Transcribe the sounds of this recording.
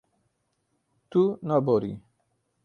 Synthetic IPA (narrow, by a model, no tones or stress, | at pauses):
t̪unabɔɾḭ